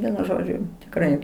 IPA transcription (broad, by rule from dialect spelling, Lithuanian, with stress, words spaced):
ˈʋʲiɛnʊ ˈʒoːd͡ʒʲʊ tʲɪkˈrɐɪ